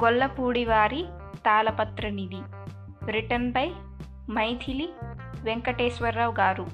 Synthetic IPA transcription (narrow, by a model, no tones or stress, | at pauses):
ɡɔlːɐpuːɽiʋaːɾi | t̪aːlɐpɐt̪ɾɐnid̪i | bɾiʈɐnpɐj | mɐjt̪ʰili | ʋeŋkɐʈeːsʋɐɾːɐwɡaːɾu